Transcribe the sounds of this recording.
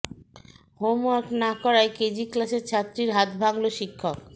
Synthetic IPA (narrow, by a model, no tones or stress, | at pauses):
homwaɾknakɔɾajked͡ʑiklaseɾt͡ɕʰat̪ːɾiɾɦat̪bʱaŋloʃikʰːok